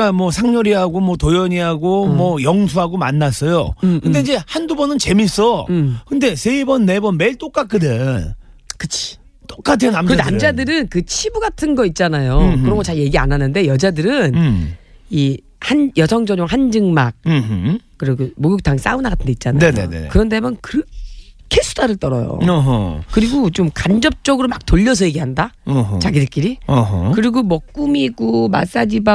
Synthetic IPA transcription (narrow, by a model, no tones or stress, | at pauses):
amwʌsʰaŋɲʌɾiɦaɡomwʌtojʌɲiɦaɡomwʌjʌŋsʰuɦaɡomanːas͈ʌjo̰kɯnde̞id͡ʑe̞handubʌnɯnt͡ɕe̞mis͈ʌkɯnde̞se̞ibʌnːe̞bʌnme̞iɭt͈ok͈ak͈ɯdɯn | kɯt͡ɕʰi̥ | t͈ok͈atʰenamkɯnamd͡ʑadɯɾɯnkɯt͡ɕʰibuɡatʰɯnɡʌit̚t͡ɕ͈anajokɯɾʌɡot͡ɕaɭje̞ɡia̰nanːɯnde̞jʌd͡ʑadɯɾɯn | i | hanjʌsʰʌŋd͡ʑʌɲjoŋɦand͡ʑɯŋmak̚ | k͈ːɯɾiɡomoɡuk̚tʰaŋs͈aunaɡatʰɯnde̞it̚t͡ɕ͈anajneoḛkɯɾʌndemʌnkɯɾʌkʰesʰu̥daɾɯɭt͈ʌɾʌ̰jo̰ɦkɯɾiɡot͡ɕomkand͡ʑʌp̚t͡ɕ͈ʌɡɯɾomak̚toʎːʌs̬ʰʌje̞ɡiɦandaɦt͡ɕaɡidɯk͈iɾiʌɦkɯɾiɡomʌk̚k͈umiɡ͈oma̰s͈ad͡ʑiba